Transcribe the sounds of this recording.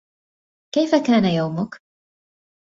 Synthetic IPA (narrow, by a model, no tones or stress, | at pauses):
kejfakaːnajawmʊk